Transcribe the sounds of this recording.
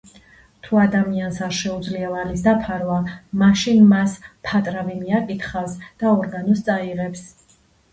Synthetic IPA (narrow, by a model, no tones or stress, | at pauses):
t̪ʰuad̪amiansaɾʃɛud̪zliavalisd̪apʰaɾvamaʃinmaspʰat̪ʼɾavɛmiakʼit̪χasd̪̥aɔɾɡanɔst̪sʼaiʁɛps